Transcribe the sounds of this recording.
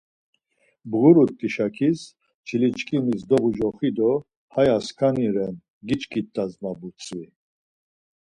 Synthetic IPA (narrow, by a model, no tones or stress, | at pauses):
bɣuɾuɾt̪ʼːiʃakʰis | t͡ʃʰilit͡ʃkʰʼinis̬d̪ɔbud͡ʒɔχid̪ɔ | hajaskʰaniɾɛn | ɡit͡ʃkʰʼit̪ʼːazmabut͡sʼvi